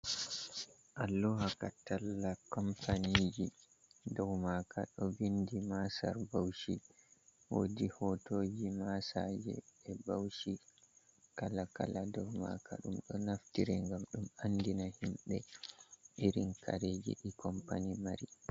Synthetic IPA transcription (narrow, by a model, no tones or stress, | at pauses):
ʔalːɔɦakatalːakɔmpanid͡ʒi | dɔwmakʰaɗɔbindimasa̰ɾbawʃi | wo̰dihɔtod͡ʒimasad͡ʒɛ̰ɛbawʃi | kalaka̰ladɔwma̰kʰa̰ɗumɗɔnaftiɾɛŋɡamɗumandinahimɓɛ | ʔiɾinkʰa̰ɾed͡ʒḭɗikɔmpanimaɾi